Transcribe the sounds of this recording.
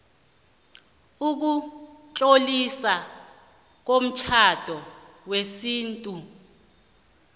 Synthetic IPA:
uk̬ut͡ɬʼolisa | k̬om̩t͡ʃʰad̥ʱɔ | wesiːntʼu

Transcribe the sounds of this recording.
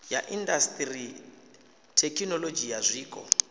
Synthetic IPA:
jaʔindastʼri | tʰekʰinɔlod͡ʒijazʷiːkʼɔ̰

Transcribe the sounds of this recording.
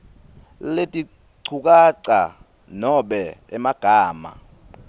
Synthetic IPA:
letʼi | ǀʰuk̬ʼaǀa̰ | nɔɓɛɛmaɡ̥ʱaːma̰

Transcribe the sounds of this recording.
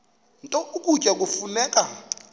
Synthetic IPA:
ntʼɔuk̬ʼucʼak̬ufunɛːk̬ʼa

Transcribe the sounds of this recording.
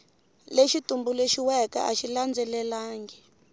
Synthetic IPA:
leʃitumbuleʃiwɛka̰ʔaʃiland͡zɛlɛlaːŋɡɛ

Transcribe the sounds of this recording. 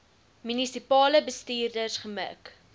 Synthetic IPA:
mynisipɑːləbəstiːrdərsχəmə̰k

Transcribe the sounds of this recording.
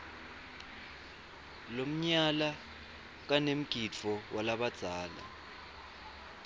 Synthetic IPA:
lom̩ɲala | k̬anem̩ɡ̥ʱit͡fʰɔwʔalaɓad̥z̥ʱaːla̰

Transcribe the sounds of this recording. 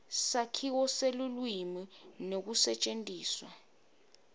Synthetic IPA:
sakʰiwɔselulwiminok̬usɛt͡ʃʼentʼiːswa

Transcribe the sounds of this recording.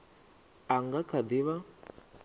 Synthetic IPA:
aŋɡakʰad̪iβa

